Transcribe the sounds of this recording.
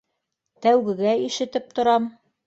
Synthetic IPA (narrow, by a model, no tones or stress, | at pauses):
t̪æwɡɘ̆ɡæiʃɘ̆t̪ɘp̚t̪ŏɾɑm